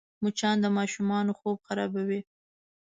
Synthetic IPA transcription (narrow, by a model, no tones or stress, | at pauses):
mut͡ʃɑnd̪əmɑʃumɑnoxob̚xaɾɑ̰bawi